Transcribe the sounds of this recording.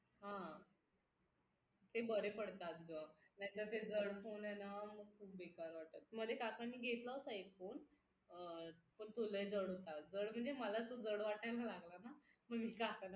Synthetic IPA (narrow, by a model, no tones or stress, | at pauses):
ɦã | t̪ebəɾepəɽt̪at̪ɡənajĩt̪əɾt̪ed͡zəɽfonɛnaməɡ̚kʰuːp̚bekaɾʋaʈ̚ət̪m̤əɡd̪ʱjekakanːiːɡʱet̪laot̪aefoɳ | pəɳt̪oləjd͡zəɽɦot̪ad͡zəɽm̤əɳd͡zeməlat̪od͡zəɽʋaʈalalaɡlanaməɡmiːkakan